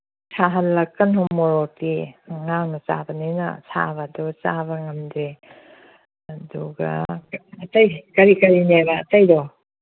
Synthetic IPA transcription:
sʰaɦɐlːɐkːɐnhɔmoɾɔtiŋaŋnɐt͡ʃa̰bɐninɐ̰sʰa̰bɐdut͡ʃaβɐŋɐmdɾe | ɐduɡɐ̰ɐtɐjkɐɾikɐɾinebɐːtɐjdɔ

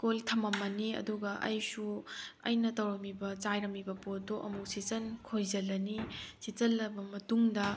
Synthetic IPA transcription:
koltʰɐmɐmːɐniɐ̰duɡɐʔɐ̰jsuɐ̰jnɐtɐwɾɐmibɐt͡ʃajɾɐmibɐpotoʔɐmusisɐnkʰojzɐlːɐnisit͡ʃɐlːɐbɐmɐtuŋdɐ

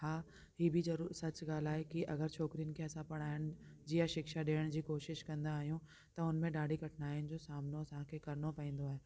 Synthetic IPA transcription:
haː | hiːbʱizɐɾuːɾsɐt͡ɕɡaːl̤aːɦekiʔɐɡəɾt͡ɕʰɔːkɾijənɪ̆kʰeɐsãpɐɽ̃aːɪəɽ̃d͡ʑiːjaʃɪkʃaɗeːəɽ̃d͡ʑiːkoːʃɪʃkɐ̃nd̪aːɦijũ | t̪ɐʊnmẽɗaːɖʱikɐʈʰnaːɪnɪ̆d͡ʑoːsaːmnoɐsaãkʰekɐɾnopɐĩːn̆d̪oaːɦeː

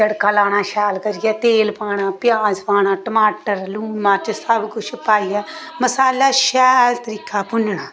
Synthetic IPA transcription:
d͡ʒəɽkaːlaːɽ̃ãːʃaːlkəɾɪjɛːt̪eːlpaːɽ̃ãːpɪjaːd͡ʒpaːɽ̃aːʈəmaːʈəɾluːmãːt͡ʃsəbkʊt͡ʃʰpaːijɛː | məsaːlaːʃɛːlt̪əɾiːkʰaːpʊnɳaː

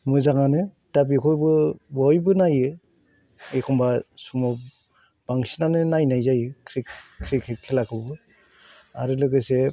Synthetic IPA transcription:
mɯzaŋanɯ | dabikʰɔjbɯbɔjbɯnajɯ | ekʰɔmbasumɔ | b̥aŋsinanɯnajnajzajɯkʰɾikʰɾikʰɯkʰelakʰɯbɯ | aɾɯlɯɡɯse

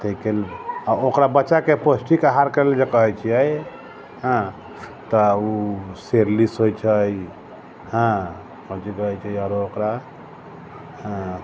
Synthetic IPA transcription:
t̪əikelokɾabəːt͡ʃakeposʈikaɦaɾkəɾeld͡ʒekəɦɛjt͡ʃʰijɛj | ɦə̃ | t̪ɔuseɾlisɦojt͡ʃʰəj | ɦã | kə̃t͡ʃikəɦɛt͡ʃʰɛjɾokɾa | ɦə̃

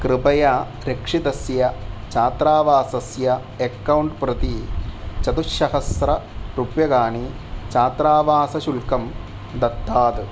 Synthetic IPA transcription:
kɾɨpɐjɐ | ɾekʂit̪ɐsjɐt͡ʃaːt̪ɾaːʋaːsɐsjɐ | ekːɐwɳʈpɾɐt̪it͡ʃɐt̪uʃɐɦɐsɾɐ | pɾupjɐɡaːɳi | t͡ʃaːt̪ɾaːʋaːsɐʃulkɐm | d̪ɐt̪ːaːt̪ɨ

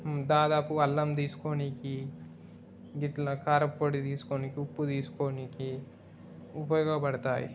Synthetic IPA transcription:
d̪aːd̪aːpuɐlːɐmt̪̬iːsu̥koːniki | ɡiʈlɐkaːɾɐpːoːʈit̪iːsu̥koːnikiupːut̪iːsu̥koːniki | upɐjoːɡɐpɐɽɐt̪aːjḭ

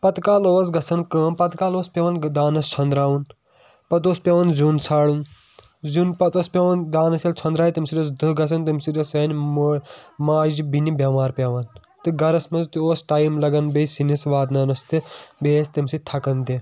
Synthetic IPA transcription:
pɐt̪kaːloːs̬ɡɐsʰɐnkəːmpɐt̪kaːloːspʲeːʋɐnd̪aːnɐst͡ʃʰɐnd̪ɾaːʋun | pɐt̪̬oːspʲaːʋɐnzuːnt͡sʰaːɽun | zunpɐt̪oːspʲeʋɐnd̪aːnɐsɐlt͡ʃʰɐnd̪ɾaːjt̪imsiɾos̬d̪ɨɡɐsʰɐnt̪imsiɾɐsɐːnʲmmaːd͡ʒibinibʲjaːmaːɾpʲaʋɐn | t̪ɨɡɐɾɐsmɐzt̪ioːsʈaːjmlɐɡɐnbesinisʋaːd̪naːnɐst̪ɨbeːst̪imsit̪ʰɐkɐnd̪i

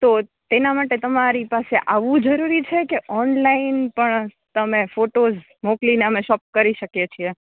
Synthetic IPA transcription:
t̪ot̪enamaʈet̪əmaɾipaseʔaʋũd͡ʒəɾuɾit͡ʃʰekeʔɔnlaɪinpəɳ | t̪əmẽfoʈoz | moklineəmẽʃɔp̚kəɾiʃəkjet͡ʃʰie

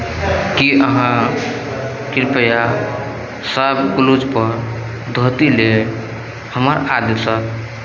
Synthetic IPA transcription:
kiʔəɦã | kiɾpəja | səbkulud͡ʒpəɾ | d̪ʱət̪ile | həməɾad̪esək

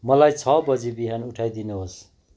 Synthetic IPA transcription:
mʌlajt͡sʰʌbʌd͡zibiɦanuʈʰajd̪ineɦos

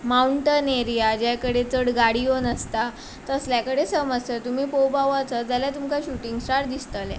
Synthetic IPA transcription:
mauɳʈəneɾijad͡ʑakəɽet͡səɽɡaɽionəst̪a | t̪əsljakəɽesəməd͡zt̪ət̪um̤iːpowbaʋat͡səd͡zaljat̪umkaɕuʈiŋɡsʈaɾd̪ist̪əlɛ̰

